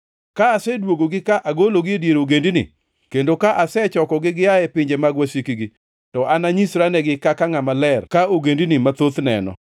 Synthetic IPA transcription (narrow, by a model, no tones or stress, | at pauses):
kaːsɛdwoɡoɡɪkaʔaɡoloɡɪedjeɾoɡendinḭ | kendokaʔasɛt͡ʃɔkɔɡɪɡɪaɛpɪɲd͡ʒemaɡwasikiɡi | tɔʔanaɲisɾanɛɡɪkakaŋamalɛrkaoɡendinimat̪ot̪nɛ̰nɔ̰